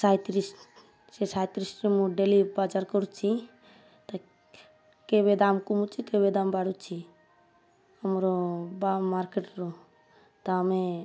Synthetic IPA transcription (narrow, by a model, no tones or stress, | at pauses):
sajt̪ɾisʈ | sesajt̪ɾisʈɾemũɖelibad͡ʒaɾkɔɾt͡ʃʰi | t̪a | kebed̪amkumut͡ʃʰikeβed̪ambaɽut͡ʃʰi | amɾɔbamaɾkeʈɾɔ | t̪aame